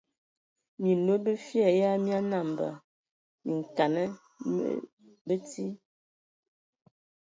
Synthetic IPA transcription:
mi˨nwo˦bə˦fjɛ˦˨ja˦mja˦na˦˨m˨bə̰˨ | mi˨ŋ̩˨ka˨nə˦ | ə̰˦ | bə˦ti˦

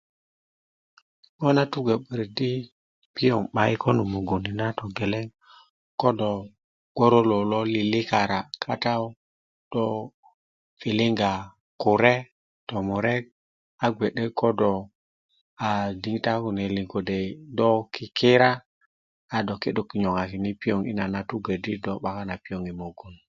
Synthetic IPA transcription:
ŋɔ˦na˦tu˦ɡa˨ɓə˨ɾdi˦ | pi˦jɔ˨ŋɓa˨i˦kʰɔ˦nu˨mu˨ɡo˨ni˨na˦tɔ˨ɡɛ˨lɛ˦ŋ | kɔ˦dɔ˨ | ɡ̥ɔ˦ɾo˦lɔ˨lɔ˦li˨li˦ka˨ɾa˨kʰa˦ta˦ | d̥ɔ˦ | fi˨lɪ˦ŋɡa˨ | ku˨ɾe˦ | tɔ˨mu˨ɾe˦k̚ | a˦ɡʷe˨ɗe˦kʰɔ˦dɔ˨ | a˨di˦ŋta˦ku˨ne˨li˨ŋɡo˨de˨dɔ˦ki˨ki˦ɾa˦ | a˨dɔ˨ke˦ɗo˨ki˨ɲo˨ŋa˨ki˨ni˦pi˦o˨ŋḭ˦na˨na˨tu˦ɡə˨di˦dɔ˦ɓa˨ka˦na˨pi˦o˨ŋi˨mo˨ɡu˨n

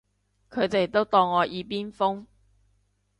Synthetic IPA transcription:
kʰɵ˨˧ɥt̪e˨˩t̪o˥wt̪ɔː˧ŋːɔː˨˧jʔiː˨˧piː˥nfʊ˥ŋ

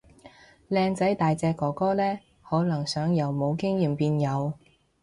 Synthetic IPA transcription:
lɛː˧ŋt͡sɐ˨˥jt̪aː˨jt͡sɛː˧kːɔː˨˩kɔː˥lɛː˥ | hɔː˨˥lɐ˨˩ŋsœː˨˥ŋjɐ˨˩wmo˨˧wkɪ˥ŋjiː˨˩mpiː˧njɐ˨˧w

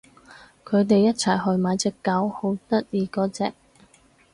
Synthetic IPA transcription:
kʰɵ˨˧ɥt̪e˨jːɐ˥t̚t͡sʰɐ˨˩jɦɵ˧ɥmaː˨˧jt͡sɛː˧kːɐ˨˥who˨˥wt̪ɐ˥t̚jiː˨˧kɔː˨˥t͡sɛː˨k̚

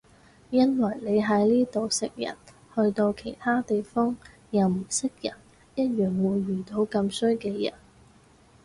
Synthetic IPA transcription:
jɐ˥nwɐ˨˩jle˨˧jɦɐ˨˥jliː˥t̪o˨wsɪ˨k̚jɐ̰˨˩n | hɵ˧ɥt̪o˧wkʰe˨˩jt̪ʰaː˥t̪e˨jfɔː˥ŋ | jɐ˨˧wm̩˨˩sɪ˥k̚jɐ˨˩n | jɐ˥t̚jœː˨˩ŋwuː˨˧jːyː˨˩t̪o˧wkɐ˧msɵ˥ɥkɛː˧jɐ̰˨˩n

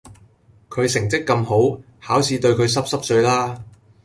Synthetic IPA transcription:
kʰɵ˨˧ɥsɪ˨˩ŋt͡sɪ˥kːɐ˧mɦo˨˥w | haː˨˥wsiː˧t̪ɵ˧ɥkʰɵ˨˧ɥs̬ɐ˥p̚sɐ˥p̚sɵ˧ɥlaː˥

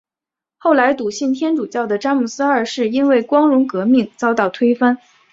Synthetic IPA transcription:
xo˥˩ʊla˧˥ɪt̪u˨˩ɕi˥˩nt̪ʰjɛ˥nʈ͡ʂu˨˩t͡ɕjɑ˥˩ʊd̪ə˩ʈ͡ʂa˥mu˨˩sɹ̩˥ə˞˥˩ʂɻ̩˥˩i˥nwe˥˩ɪkwɑ˥ŋɻʊ˧˥ŋkɤ˧˥mi˥˩ŋt͡sɑ˥ʊt̪ɑ˥˩ʊt̪ʰwe˥ɪfa˥n

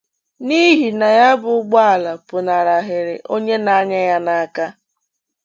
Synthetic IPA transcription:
ni˦ɦi˨na˨ja˦bʊ˨ʊ˦ɡ͡bɔ˦a˨la˨pʊ˨na˨ɾa˨ɦɪ˨ɾɪ̰˨ʔo˦ɲe˦na˨a˦ɲa˦ja˦na˨a˨ka˦

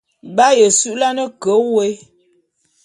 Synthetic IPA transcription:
ba˦jə˨sʉ˦ʔla˦nə˦kə˨˦we˦

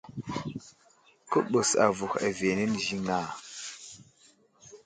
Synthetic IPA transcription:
kə˦ɓə˨sa̰˨vu˨xa̰˨ve˨nə˦n˨ʒi˦ŋa˦˨

